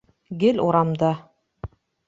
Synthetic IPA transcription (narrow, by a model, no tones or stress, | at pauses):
ɡɘlʲuɾɑmd̪ɑ